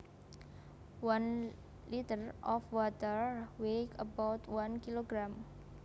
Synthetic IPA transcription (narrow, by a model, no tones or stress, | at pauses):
wãn | lit̪ərʔɔfwɔt̪əɹwekəbawt̪wankiloɡɾam